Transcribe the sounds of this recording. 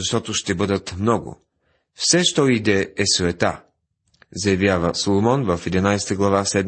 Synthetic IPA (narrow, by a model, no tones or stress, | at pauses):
zɐʃt̪ɔt̪oʃt̪ɛbɤd̪ət̪mnɔɡʊ̰ | fsɛʃt̪ɔid̪ɛɛsvɛt̪a̰ | zɐjɐvjavəsolˠomɔnvəfɛd̪inajst̪əɡlˠɐvasɛd̪